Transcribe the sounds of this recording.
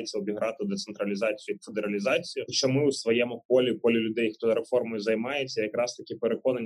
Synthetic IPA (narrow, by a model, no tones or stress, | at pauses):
et͡sʲːɐɔbʲiɦɾɑt̪ɪd̪et̪sent̪ɾɐlʲizɑt͡sʲijʊfed̪eɾɐlʲizɑt͡sʲijʊkʃt͡ʃːɔmɪʊsʋɔjɛmʊpɔlʲipɔlʲɪlʲʊd̪ɛjxt̪ɔɾefɔrmɔjʊzɐjmɑjet͡sʲːɐjɐkɾɑst̪ɐkʲɪpeɾekɔnɐnʲ